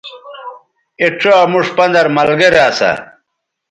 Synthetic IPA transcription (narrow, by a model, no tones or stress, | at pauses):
eʈ͡ʂʰoɐmuʂpɐnd̪ɐɾmɐlɡɐɾaːsa̰